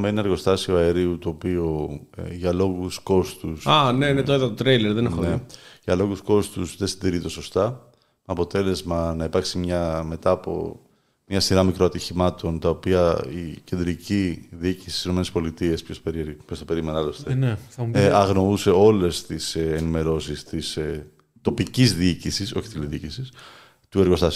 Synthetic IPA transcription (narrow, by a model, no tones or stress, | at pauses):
meinɐɾɣo̞st̪ɐsioɐe̞ɾiut̪uopio̰ʝɐlo̞ɣusko̞st̪usaneinet̪oeðɐt̪ot̪ɾejleɾðenexoneʝɐlo̞ɣusko̞st̪usðesind̪iɾit̪o̞so̞st̪ɐ | mɐpo̞t̪e̞le̞zmɐnɐipɐɾksimɲɐme̞t̪ɐːpo̞̰ | mɲɐsiɾɐmikɾo̞ɐt̪içimɐt̪o̞nt̪ɐopiɐice̞nd̪ɾiciðiicisi̥t̪isinome̞nespo̞lit̪ie̞spçospeɾiɾpçost̪ɐpeɾimenɐlost̪eneθɐuɐɣno̞use̞o̞le̞st̪isːnime̞ɾo̞sist̪is | t̪o̞picizðiicisiso̞çit̪iliðiicisis | t̪ue̞ɾɣo̞st̪ɐsi